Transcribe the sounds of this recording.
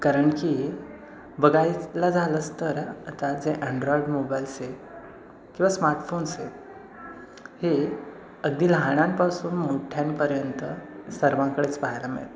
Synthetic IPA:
kaɾəɳkiː | bəɡajlad͡zʱaləst̪əɾat̪ad͡zeʔə̃ɳɖɾɔiɖmobajlse | kĩw̃ʋasmaɾʈfonse | he | əɡd̪iːlɦãɽ̃ãmpasuːnmoʈʰjãmpəɾjənt̪əsəɾʋãkəɽet͡spaɦjlamḛɭ

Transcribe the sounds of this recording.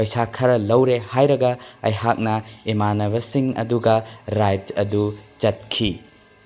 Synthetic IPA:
pɐjsakʰɐɾɐlɐwɾehajɾɐɡɐɐjɦak̚nɐimanɐβɐsiŋɐ̰duɡɐɾajd͡ʒɐdut͡ʃɐt̚kʰi

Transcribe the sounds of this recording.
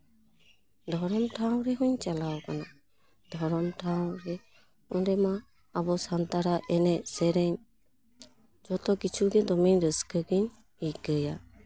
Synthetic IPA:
d̪ʱɔɾɔmʈʰaw̃ɾɛɦuɲt͡ʃalawɔkana | d̪̥ʱɔɾɔmʈʰaw̃ɾɛ | ɔnɾɛmaː | bɔsant̪aɾaʔɛnɛsɛɾɛɲ | d͡ʒɔt̪ɔkit͡ʃʰuɡɛd̪ɔmiɲɾəskəkiɲ | ikəja

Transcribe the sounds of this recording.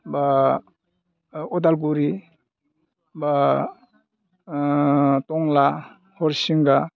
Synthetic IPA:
ba | ɔdalɡuɾi | ba | tɔŋla | hɔɾsiŋɡa

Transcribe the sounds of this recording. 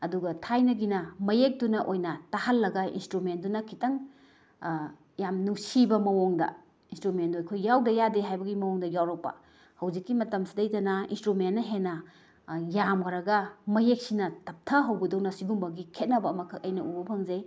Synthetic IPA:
ɐduɡɐtʰajnɐɡinɐmɐjek̚dunɐʔojnɐtahɐlːɐɡɐḭnstɾument̚dunɐkʰitɐŋ | jamnuŋsibɐmɐwoŋdɐ̰ | instɾumendojkʰojːawdɐjadeɦajbɐɡimɐwoŋdɐjawɾɐk̚pɐ̰ | hɐwzikːimɐtɐmsidɐjtɐnɐḭnstɾumentnːɐɦenɐ | jamkʰɐɾɐɡɐmɐjek̚sinɐtʰɐp̚tʰɐɦɐwbɐdɐwnɐsiɡumbɐɡikʰet̚nɐbɐːmɐkʰɐk̚ɐjnɐʔubɐpʰɐŋze

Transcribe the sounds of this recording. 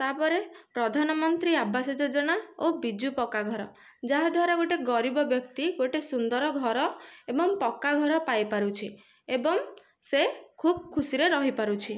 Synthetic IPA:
t̪aɦpɔɾepɾɔd̪ʱanɔmɔnt̪ɾiabːasɔd͡ʒod͡ʒɔɽ̃aobid͡ʒupɔkaɡʱɔɾɔ | d͡ʒaɦad̪ʱwaɾaɡoʈeɡɔɾibɔbjɔkt̪iɡoʈesund̪ɔɾɔɡʱɔɾɔebɔŋpɔkːaɡʱɔɾɔpajpaɾut͡ʃʰi | ebɔŋ | sekʰub̚kʰusiɾeɾɔɦipaɾut͡ʃʰi

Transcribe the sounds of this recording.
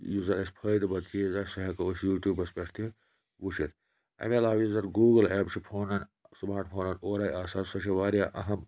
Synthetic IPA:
juzɐɾɐsʲpʰɐːjd̪ɨbɐt̪̚t͡ʃʰizasɐɦekɐusjuːʈʲuːbɐspʲeʈʰt̪ʰi | wuʃʰit̪ | ɐ̰melaːwjuzɐɾɡuːɡɐleːpt͡ʃʰipʰoːnɐn | smaːɾʈpʰoːnɐnoːɾaːjaːsaːsɐʃʰiʋaːɾjaːʔɐ̰ɦɐm

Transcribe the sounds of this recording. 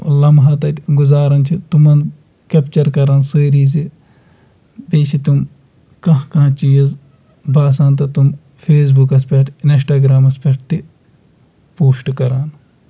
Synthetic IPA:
lɐmɦɐt̪ɐt̪ɡuzaːɾɐnt͡ʃʰit̪umɐn | kɐpt͡ʃɐɾkɐɾɐnsəːɾiːs̬i | beːsit̪um | kɐ̃ɦkɐ̃t͡ʃijɐz | baːsãːnt̪ɐt̪um | fʰeːs̬bukɐspʲeʈɪnsʈaːɡɾaːmɐspeʈ̚t̪i | poːsʈkɐɾaːn

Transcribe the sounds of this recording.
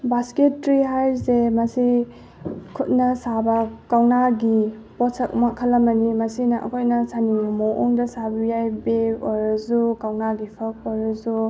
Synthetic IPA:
basketːɾiɦajsemɐsi | kʰut̚nɐsabɐkawnaɡi | pɔtsɐk̚makʰəlɐmɐnimɐsinɐʔɐ̰kʰojnɐsanijumoʔoŋdɐsabɐjajbeojɾɐzukawnaɡipʰɐk̚ojɾɐzu

